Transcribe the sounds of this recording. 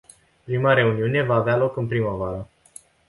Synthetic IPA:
pɾimaɾe̞uniune̞vaːvealo̞kɨnpɾiməvaɾə

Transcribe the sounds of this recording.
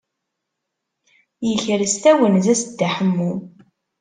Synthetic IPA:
jəçɾst̪æwənzæsd̪ːaħəmːu

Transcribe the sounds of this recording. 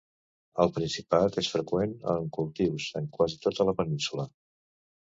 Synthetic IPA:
əlˠpɾinsipat̪esfɾəkwenə̰ŋkulˠt̪iwzəŋkwazit̪ot̪ələpəninsulə

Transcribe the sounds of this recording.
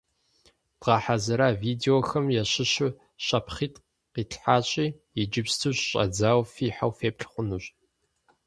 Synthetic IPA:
d̥ʁɑːħazɐɾaːviːdeoxɐmjɛɕɪɕʊ | ɕɐpχiːtʼ | qiːɬħaːɕʼiː | jɪd͡ʒɪpstʰɨɕɕʼɐ̰d͡zaːwfiːħawfeːpɬχʷʊnuɕʼ

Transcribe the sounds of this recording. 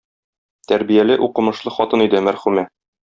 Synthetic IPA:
t̪æɾbijælɘʔuqɤ̆mɤ̆ʃlˠɤχɒt̪ɤnid̪ɘmæɾχʉmæ

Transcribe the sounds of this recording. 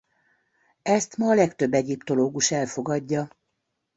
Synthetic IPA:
ɛst̪mɒːlɛkt̪ø̞bːɛɟipt̪oloːɡuʃɛlfo̞ɡɒɟːɒ

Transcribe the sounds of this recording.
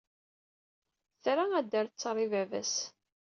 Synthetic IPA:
θɾaæd̪ːæɾt͡sːɾˤivævæ̰s

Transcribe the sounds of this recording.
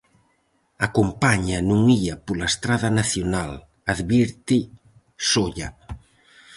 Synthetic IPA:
akompaɲɐnũŋiɐpolaest̪ɾaðɐnaθjonal | aðβiɾt̪ɪ | soʎɐ

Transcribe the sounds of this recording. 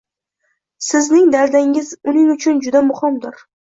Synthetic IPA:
sɪznɪŋd̪aɾd̪aŋɪzʊnɪŋʊt͡ʃʰʊnd͡ʒʊd̪amʊhɪmd̪ɪɾ

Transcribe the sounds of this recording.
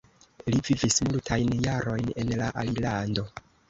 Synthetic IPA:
livivismultʰajnjaɾo̞jne̞nlaʔalilando̞

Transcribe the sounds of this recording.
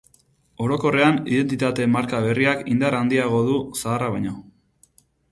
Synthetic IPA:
o̞ɾo̞ko̞re̞anḭðe̞nt̪it̪at̪e̞maɾkaβ̞e̞riakind̪aɾand̪iaɣo̞ðusaːraβ̞ajɲo̞

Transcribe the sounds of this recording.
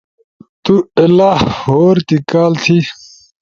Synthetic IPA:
t̪uɐlahhoːɾt̪ikaːlt̪ʰi

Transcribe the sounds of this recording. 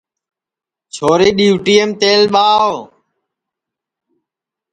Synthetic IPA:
t͡ʃʰoːɾiːɗiːʋʈiːemt̪eːlɓaːʋ

